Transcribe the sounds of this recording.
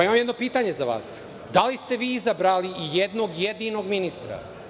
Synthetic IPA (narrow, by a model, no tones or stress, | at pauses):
imamjed̪nopiːt̪aɲe̞zaʋa̰ːs | d̪alist̪e̞ʋiːizabɾaliijed̪no̞ɡjed̪ino̞ɡminist̪ɾa̰